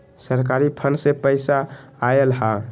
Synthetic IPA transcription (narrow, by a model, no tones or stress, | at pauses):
səɾkaɾipʰənsepəjsaːelɦa